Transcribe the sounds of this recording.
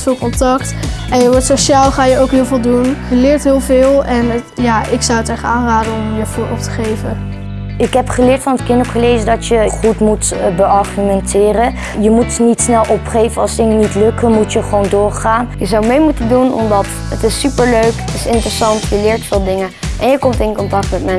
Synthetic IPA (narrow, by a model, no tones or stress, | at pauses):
fɪːlˠkɔntɑktɛnjəʋɔɹtsoʃaːlˠχaːjəowkɦɪːlˠvɪːlˠdunjəlɪːɹtɦɪːlˠvɪːlˠɛnjaːʔɪksɔwətɛχəaːnraːdənɔmjəfuːɹɔp̚tə̥χejvə | ɪkɦɛpχəlɪːɹtfɑnət̚kɪntopχəlejzəndɑtjəχutmutbəɑɹχymɛntɪːrə | jəmutnitsnɛlˠʔɔpχejvənɑlˠsdɪŋənitlɵkəmutjəχəʋowndʊːɹχaːnjəzɑwmejmutəndunɔ̰mdɑt | ətɪsːypəɹløɥkətɪsɪntrəsɑntjəlɪːɹtfɪːlˠdɪŋənʔɛnjəkɔmtɪnkɔntɑk̚tmɛtmɛn